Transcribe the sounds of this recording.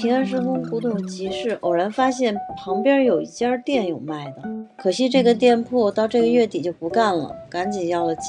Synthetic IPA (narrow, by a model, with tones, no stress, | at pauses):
tʰi˧˥ŋə˥˧nʂ̬ɻ̩˥kʊ˥ŋxu˧˥t̪ʰʊ˨˩ŋt͡ɕi˧˥ʂɻ̩˥˩ʔo̰˨˩ʊɻə˧˥nfa˥ɕjɛ˥˩npʰɑ˧˥ŋpjɛ˥jo˨˩ʊi˥˩t͡ɕjɑ˥t̪jɛ˥˩njo˨˩ʊma˥˩ɪd̪ə˩kʰɤ˨˩ɕi˥ʈ͡ʂɤ˥˩ɡə˩t̪jɛ˥˧npʰɔ˥˩t̪ɑ˥˧ʊʈ͡ʂɤ˥˩ɡə˩ɥɛ˥˩t̪i˨˩t͡ɕjo˥˩ʊpu˧˥ka˥˩nlə̰˩ka˧˥nt͡ɕi˨˩njɑ˥˩ʊlə˩t͡ɕ